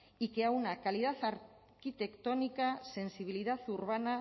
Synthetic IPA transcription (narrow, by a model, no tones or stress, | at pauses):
ike̞aunakalið̞aθaɾ | kit̪e̞kt̪onikase̞nsiβ̞ilið̞aθuɾβ̞ana